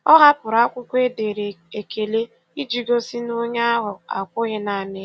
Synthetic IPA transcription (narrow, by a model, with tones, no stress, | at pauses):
ɔ˦ɦa˦pʊ˨ɾa˦kʷʊ˦kʷe˦de˨ɾe˨e˨kʰe˨le˦ | i˦d͡ʒi˦ɡo˦si˦nʊ˦ɲa˦ɦʊ˨a̰˨kʷʊ˦ɣɪ˦na˨nɪ˦